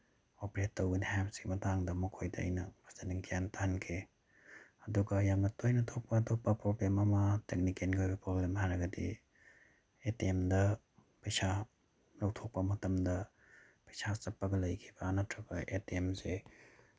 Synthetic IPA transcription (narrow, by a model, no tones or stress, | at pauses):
opeɾetːɐwɡɐnihapsɡimɐtaŋdɐmukʰojdɐ̰ːjnɐbɐsɐniŋkʰijantɐhɐnkʰe | ɐduɡɐjamnɐtojnɐtʰok̚pɐːtʰok̚pɐpɾoblemɐmɐtek̚nikenɡojbɐpɾoblemhajɾɐɡɐdḭ | etiemdɐ | pɐjsa | nɐwtʰok̚pɐmɐtɐmdɐ | pɐjsat͡ʃɐpːɐɡɐlɐjkʰi̥bɐːnɐtʰɾɐbɐʔetiemse